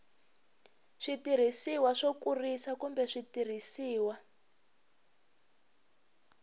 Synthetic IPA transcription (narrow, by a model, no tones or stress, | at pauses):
ʂitir̤isiwaʂokurisakumbɛʂitir̤isiːwa